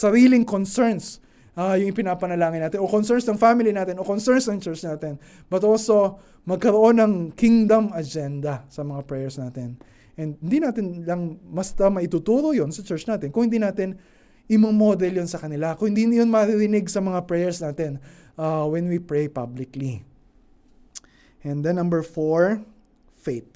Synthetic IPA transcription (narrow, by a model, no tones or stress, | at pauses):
sɐɾiːlɪŋkonsɛɹns | ʔajʊŋʔɪpɪnapɐnɐlaːŋɪnːaːt̪ɪnʔo̞konsɛɹnsnɐŋfamɪlinaːt̪ɪnʔokonsɛɹnsnɐŋt͡ʃɛɹt͡ʃnaːt̪ɪn | b̥ɐt̪ʔoːso̞ | mɐɡ̚kɐɾoʔo̞nːɐŋkiŋd̪ɐmɐd͡ʒɛnd̪ɐsɐmɐŋapɹɛjɛɹsnaːt̪ɪn | ʔɛnd̪̚hɪnd̪inaːt̪ɪnlɐŋbɐst̪ɐmɐʔɪt̪uːt̪uːɾojonsɐt͡ʃɛɹt͡ʃnaːt̪ɪnkʊ̃ŋhɪnd̪iːnaːt̪ɪn | ʔɪmoŋmod̪ɛljonsɐkɐnɪlakʊŋhɪnd̪injonmɐɾɪɾɪnɪɡsɐmɐŋapɹɛjɛɹsnaːt̪ɛn | ʔawɛnwipɹejpablɪkli | ʔɛ̃nd̪ɛ̃nːɐ̃mbɛɹfoɹ | fejt̪̚